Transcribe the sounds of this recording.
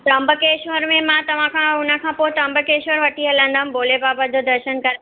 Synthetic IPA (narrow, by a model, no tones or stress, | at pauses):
t̪ɐ̃mbəkeːʃʋəɾmẽmãːt̪ɐʋ̤ãkʰãʊnə̆kʰãːpoːɪt̪ɐ̃mbəkeːʃʋəɾʋɐʈʰiɦɐlə̃ːnd̪aɦʊ̃mboːlepaːbəd̪od̪ɐɾʃənkɐɾ